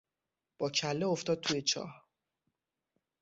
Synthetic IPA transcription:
b̥ɒːcʰælːeoft̪ɒːd̪̚t̪ʰujet͡ʃʰɒ̰ːh

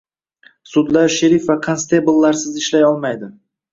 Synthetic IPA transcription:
sʊd̪laɾʃɪɾifvakʰanst̪ʰebʊlˠːaɾsɪzɪʃlajɒlˠmajd̪ɪ

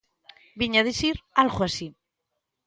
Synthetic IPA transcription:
biɲaðisiɾalɣoasi

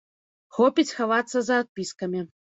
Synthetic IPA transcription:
xɔpʲit͡sʲxavat̪sːɐzɐːt̪̚pʲiskɐmʲi

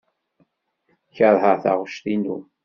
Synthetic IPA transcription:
çəɾˤhəʁθa̰ʁʃt̪inṵ

